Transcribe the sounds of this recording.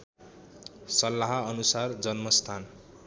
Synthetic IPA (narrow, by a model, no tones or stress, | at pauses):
sʌlːaɦʌʌnusard͡zʌnmʌst̪ʰan